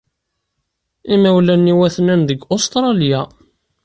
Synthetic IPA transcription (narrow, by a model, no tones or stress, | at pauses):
imæwlænːiwæθnænðəɡost̪ɾˤɑlja